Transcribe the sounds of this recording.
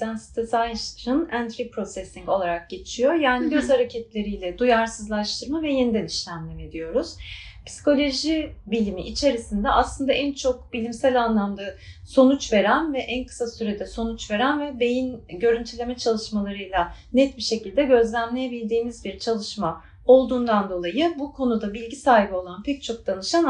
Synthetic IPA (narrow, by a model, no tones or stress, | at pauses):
ænsi̥t̪ʰɛsajʃɾɯnænt̪ʰɾipɾo̞sɛsʲiŋko̞lˠaɾak̚ɟ̥e̞t͡ʃʰijo̞jaːniɡøzhaɾecʰɛt̪lʲe̞ɾijlʲɛd̪ujaɾsɯzlˠaʃt̪ʰɯɾmavɛjind̪æniʃlʲæmlʲɛmed̪ijo̞ɾuz̥pʰsi̥ko̞lʲo̞ʒibilʲimḭʔit͡ʃʰe̞ɾisind̪ɛaslˠɯnd̪aʔænt͡ʃʰok̚bilʲimsælʲanlˠamd̪aso̞nut͡ʃve̞ɾænvɛʔænkʰɯ̥sasyɾe̞d̪ɛso̞nut͡ʃve̞ɾænvɛbe̞jinɟø̞ɾynt̪ʰylʲe̞mɛt͡ʃʰalˠɯʃmalˠaɾɯjlˠanɛt̪biʃe̞cilʲd̪ɛɟø̞zlʲæmlʲejebilʲd̪iːmizbiɾt͡ʃʰalˠɯʃma | o̞lˠd̪uːnd̪and̪o̞lˠajɯbukʰo̞nud̪abilʲɟisaːɦibio̞lˠanpʰɛc̚t͡ʃʰo̞k̚d̪̥anɯʃan